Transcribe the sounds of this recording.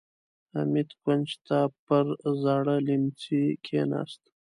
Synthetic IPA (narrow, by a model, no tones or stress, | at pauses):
a̰mit̪kwant͡ʃt̪apəɾzɑɽəlimt͡sikʰenɑ̰st̪